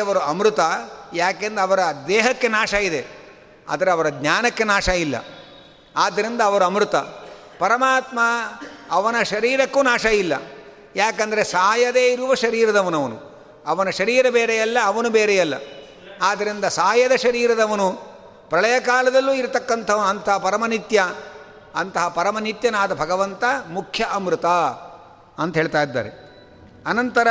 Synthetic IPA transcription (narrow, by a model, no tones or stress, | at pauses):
ɐʋɐɾuɐmɾut̪ɐjaːkeːnd̪ɐːʋɐɾɐd̪ɛːɦɐkːe̞naːʂɐid̪e̞ | a̰ːd̪ɐɾeɐʋɐɾɐɡɲaːnɐkːe̞naːʃɐilːɐ̰ | aːd̪ːɐɾind̪ɐːʋɐɾuɐmɾut̪ɐ | pɐɾɐmaːt̪mɐɐʋɐnɐʃɐɾiːɾɐkːuːnaːʃɐilːɐ̰ | jaːkɐnd̪ɐɾesaːjɐd̪e̞ːiɾuʋɐʃɐɾiːɾɐd̪ɐʋɐnɐʋɐnṵ | ɐʋɐnɐʃɐɾiːɾɐbeːɾɛjɐlːɐːʋɐnubeːɾɛjɐlːɐ̰ | aːd̪ɐɾind̪ɐsaːjɐd̪ɐʃɐɾiːɾɐd̪ɐʋɐnu | pɾɐɭɐjɐkaːlɐd̪ɐlːuːiɾt̪ɐkːɐnt̪ʰɐʋɐnɐnt̪ɐɦɐpɐɾɐmɐnit̪jɐ | ɐnt̪ɐɦɐpɐɾɐmɐnit̪jɐnaːd̪ɐbʱɐɡɐʋɐnt̪ɐmukʰjɐʔɐmɾut̪a | ɐnt̪ɐɦeːɭt̪aːjid̪ːa̰ːɾe | ɐnɐnt̪ɐɾɐ